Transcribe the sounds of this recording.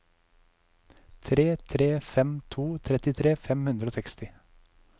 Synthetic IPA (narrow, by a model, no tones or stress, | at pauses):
t̪ʰɾeːt̪ʰɾeːfɛmt̪ʰuːt̪ʰɾɛt̪ɪt̪ʰɾeːfɛmhʉnd̪ɾəoːsɛkst̪ɪ